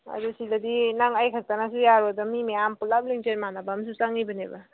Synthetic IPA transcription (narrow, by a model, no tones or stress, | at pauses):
a̰dusilad̪inaŋajkʰak̚tanasujaɾɔdɔmimeampulap̚liŋt͡ʃenmanabamsusaŋibaneba